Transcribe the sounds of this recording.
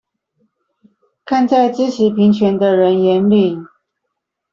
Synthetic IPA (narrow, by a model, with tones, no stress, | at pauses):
kʰa˥˧nt͡sa˥˩ɪt͡sɹ̩˥ʂɻ̩˧˥pʰi˧˥ŋt͡ɕʰɥɛ˧˥nd̪ə˧ɻə˧˥njɛ˧˥nli˥˩˦